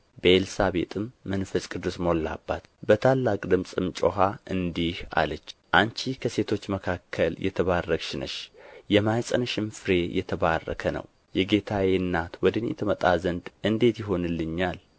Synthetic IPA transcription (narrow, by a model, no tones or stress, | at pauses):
bəelsaβe̞t̪ʼɨmːənfəsʼkʼɨd̪usmo̞lːa̰bːa̰t̪bət̪ʰalːakʼd̪ɨmsʼɨmt͡ʃʼoɦaʔɨnd̪iha̰lət͡ʃːʔant͡ʃikʰəse̞t̪ʰo̞t͡ʃːməkʰakʰːəljɛ̰t̪ʰəβarːəkʃɪnə̰ʃjɛmajsʼənɨʃɪmfɨɾe̞jʔɛt̪ʰəβarːə̰kʰənə̰w | jɛɡe̞t̪ʰaweɨnːat̪wɔd̪ɨnjɛ̰t̪ʰəmət̪ʼazənd̪ɨnd̪e̞t̪jɪɦo̞nɨlːɨɲːal